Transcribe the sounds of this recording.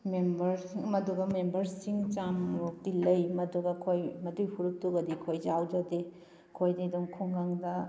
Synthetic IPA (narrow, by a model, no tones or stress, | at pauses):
membɐɾmɐduɡɐmembɐɾsiŋt͡ʃamutilɐjmɐduɡɐkʰojmɐdujhʰuɾuk̚tuɡɐdikʰojzawd͡ʒade | kʰojdiduŋkʰuŋɡaŋdɐ